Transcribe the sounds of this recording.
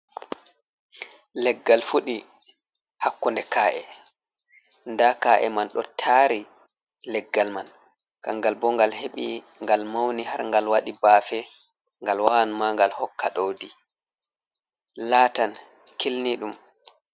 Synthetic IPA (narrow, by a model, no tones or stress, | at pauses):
lɛɡːalfuɗi | hakːundɛkaːʔɛ̰ | ndakaʔɛ̰manɗɔtʰaːɾi | lɛɡːalman | ka̰ŋɡalbɔŋɡalheɓiŋɡalmawnihaɾŋɡalwaɗibaːfɛ | ŋɡalwawanmaŋɡalhɔkːaɗowdi | laːtan | kilniɗum